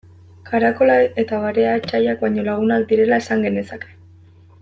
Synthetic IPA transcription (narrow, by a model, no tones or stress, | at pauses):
kʰaɾako̞lae̞t̪aβaɾe̞aet͡ʃajak̚baɲo̞laɣ̞unakd̪iɾe̞laesaŋɡe̞ne̞sake̞̥